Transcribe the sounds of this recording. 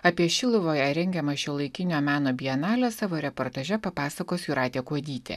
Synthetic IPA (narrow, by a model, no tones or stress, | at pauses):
ɐpʲiɛʃʲɪlˠʊʋoːjɛɾʲɛŋʲɡʲɛmɐʃʲiːlˠɐɪkʲɪnʲoːmʲæːnoːbʲijɛnɑːlʲɛsɑːʋoːɾʲɛpoːɾt̪ɐːʒʲɛpɐpɑːsɐkoːsʲjuɾɑːt̪ʲeːkuɔd̪ʲiːt̪ʲḛ